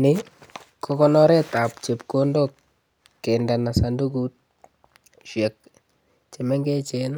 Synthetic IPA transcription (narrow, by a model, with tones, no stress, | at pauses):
nɪ˦ | kɔ˦kɔ˦nɔ˦ɾɛ˦ta˨pt͡ʃe˨pko˦ndo˦k | kɛ˨nda˨na˨sa˨ndu˦ɡu˦t̚ | ʃɛ˨k̚ | t͡ʃe˨mɛ˦ŋɡɛ˦t͡ʃe˦n